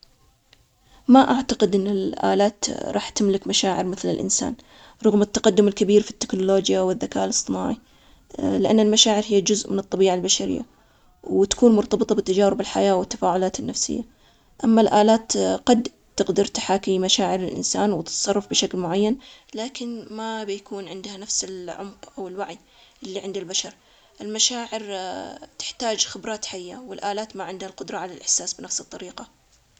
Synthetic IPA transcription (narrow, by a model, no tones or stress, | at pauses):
maʔaʕt̪aqɪd̪ʔɪnːɪlʔa̰ːlaːt̪ɾˤɑːħt̪ɪmlɪkmaʃaːʕɪɾmɪθlɪ̰lʔɪ̰nsa̰ːn | ɾˤʊɣmɪt̪ːɑqɑd̪ːʊmɪlkabiːɾfi̥t̪ːɪ̥knʊloːd͡ʒjawɪðːakaːʔlɨsˤt̪ˤɨna̰ːʕi | lɪʔanːalmaʃaːʕɪɾhɪjːad͡ʒʊzʔmɪnɨt̪ˤːɑbiːʕalbaʃaɾɪ̰jːa̰ | wt̪ḁkuːnmʊɾt̪ɑbɨt̪ˤɑbɪt̪ːad͡ʒaːɾɪbɪlħajaːwɪt̪ːḁfaːʕʊlaːt̪ɪnːafsɪ̰jːa | ʔamːalʔaːlaːt̪qɑd̪ | t̪ɪqd̪ɑɾˤt̪ḁħaːkimaʃaːʕɪɾɪlʔɪ̰nsaːnwɪt̪t̪sˤɑrˤːɑfbɪʃaklmʊʕajːanlaːkɪnmabjakuːnʕɪnd̪hanafsɪlʕʊ̰mqʔawɪlwaʕi | ʔɪlːiʕɪnd̪albaʃɑɾˤ | ʔɪlmaʃaːʕɪɾt̪ɪ̥ħt̪aːd͡ʒxɪbɾɑːt̪ħajːa̰wɪlʔaːlaːt̪maʕɪnd̪halqʊd̪ɾˤɑʕalalʔɪħsaːsbɪnafsɨt̪ˤːɑɾiːqɑ